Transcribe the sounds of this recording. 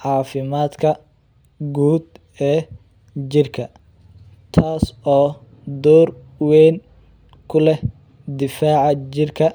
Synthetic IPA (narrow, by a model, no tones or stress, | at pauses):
ʕɑːfɪmaːd̪kʰɐ | ɡuːd̪ | ɛː | t͡ʃɪrkʰɐ | t̪ʰaːsɔː | d̪ɔːr | wɛn | kʰʊlɛ | d̪ɪfaːʕɑt͡ʃɪrkʰɐ